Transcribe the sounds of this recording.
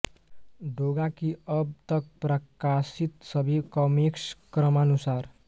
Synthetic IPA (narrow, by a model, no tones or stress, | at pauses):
ɖʱoɡakiʌb̚t̪ʌk̚pɾəkasit̪sʌbʱikʌmikskɾʌmanusaɾ